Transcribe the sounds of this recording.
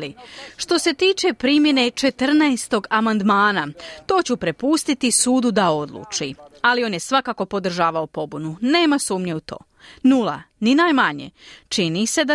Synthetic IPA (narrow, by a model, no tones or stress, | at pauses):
liʃt̪o̞se̞t̪iːt͡ʃe̞pɾimje̞ne̞t͡ʃe̞t̪r̩najst̪o̞ɡamand̪maːnat̪o̞ːt͡ɕupɾe̞pust̪it̪isuːd̪ud̪ao̞d̪lˠṵːt͡ʃialio̞ːnje̞sʋakako̞po̞d̪r̩ʒaːʋaopo̞bunune̞ːmasuːmɲe̞ut̪o̞̰ː | nula̰ninaːjmaɲḛt͡ʃinise̞d̪a